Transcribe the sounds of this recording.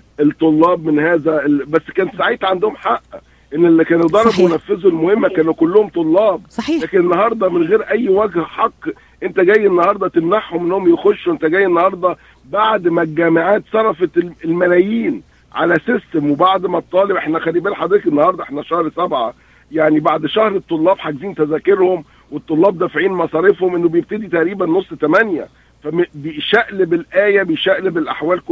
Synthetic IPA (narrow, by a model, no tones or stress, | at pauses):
ʔet̪ˤːolːɑːbmenhæːzæebæsːkæːnt̪saʕiːt̪ʕand̪ohomħaʔːæ | ʔenːelːikæːnd̪ˤɑɾˤɑbwenæfːezulmohemːækæːnukolːohomt̪ˤolːɑːb̚ɑːlæːkenenːɑhɑɾˤd̪ˤɑmenɣeːɾʔæjːwæɡhħɑqː | ʔent̪æɡæjːenːɑhɑɾˤd̪ˤɑt̪emnaħhomʔenːohomjexoʃːuwʔent̪æɡæjːenːɑhɑɾˤd̪ˤɑ | baʕd̪mæɡæmaʕaːt̪sˤɑɾˤɑfeelmælæːjiːn | ʕa̰læsɪst̪emwebaʕd̪mæt̪ˤːɑːlebʔeħnæxælːiːbæːlħɑd̪ɾiːt̪kenːɑhɑɾˤd̪ˤɑʔeħnæʃæhɾsæbʕa | jaʕnibaʕd̪ʃæhɾet̪ˤːolːɑːbħaɡziːnt̪æzæːkeɾhom | wet̪ˤːolːɑːb̚d̪æfʕiːnmɑsˤɑːɾefhomʔenːobejeb̚t̪æd̪it̪æʔɾiːbænːosˤːt̪æmænjæ̰ | fæbʃæʔlebelʔæːjæbejʃæʔlebelʔa̰ħwæːlko